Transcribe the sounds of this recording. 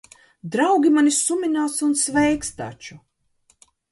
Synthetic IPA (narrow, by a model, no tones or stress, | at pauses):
d̪ɾawɡʲimanisumʲinaːt̪sunsvɛjkst̪a̰t͡ʃu